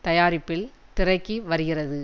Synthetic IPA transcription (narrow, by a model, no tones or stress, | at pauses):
t̪ɐjaːɾɪpːɪlt̪ɪrɐɪkːiʋɐɾɯɣɪrɐðɯ